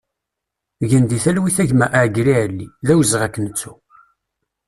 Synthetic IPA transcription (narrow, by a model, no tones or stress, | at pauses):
ʝənd̪iθælwiθæʝmæʔʕɡɾiʕəlːiðæwzʁækːənət͡sːu